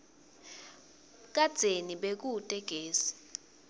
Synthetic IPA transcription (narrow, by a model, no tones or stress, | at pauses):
k̬ad̥z̥ʱeniɓek̬utʼɛɡ̥ʱeːsi̥